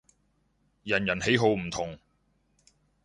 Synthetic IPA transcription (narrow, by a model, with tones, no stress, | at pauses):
jɐ˨˩njɐ˨˩nhe˨˥jɦo˨˧wm̩˨˩t̪ʰʊ˨˩ŋ